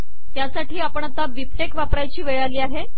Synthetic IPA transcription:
t̪jasaʈiːapəɳat̪aʋipekʋapɾajt͡ɕiːʋeɭaliːaɦe

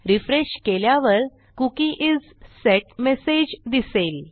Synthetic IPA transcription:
ɾifɾeɕkeljaʋəɾ | kukĩʔid͡z | sɛʈmesed͡ʑd̪isel

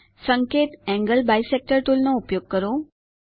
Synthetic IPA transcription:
səŋket̪ɛ̃ŋɡəlbajsek̚ʈəɾʈ̪ulnɔupjoɡ̚kəɾo

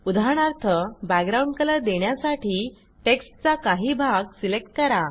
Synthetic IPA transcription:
ud̪ʱaɽ̃aɾt̪ʰəbækɡɾaũɳɖkələd̪eɳjasaʈiː | ʈeksʈt͡sakaɦiːbʱaɡsilek̚ʈ̚kəɾa

